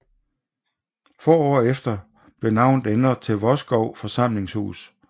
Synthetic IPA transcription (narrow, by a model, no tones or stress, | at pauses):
fɒ̰ːɒ̰ːefd̥ɐ | b̥le̝nɑ̈ʊ̰nd̥enɐt͡sʰe̝ʋɒ̽sɡ̥ɒʊ̰fɒ̽sɑ̈m̰le̝ŋshṵːs